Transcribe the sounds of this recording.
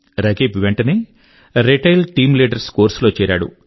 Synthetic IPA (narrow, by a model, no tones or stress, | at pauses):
ɾɐɡeːpiʋeɳʈɐni | ɾeʈɐjlʈiːmliːɖɐɾskoːɾslo̞ːt͡ʃɛːɾaːɽṵ